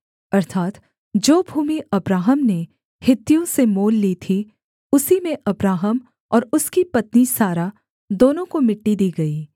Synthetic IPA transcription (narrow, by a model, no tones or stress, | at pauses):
ɐɾt̪ʰaːt̪ | d͡ʒoːbʱuːmiɐbɾaːɦəmne | hɪt̪ːijõsemoːlːiːt̪ʰi | ʊsimẽʔɐbɾaːɦəm | ɔːɾʊskipɐt̪nisaːɾa | d̪oːnõkomɪʈːid̪iːɡɐiː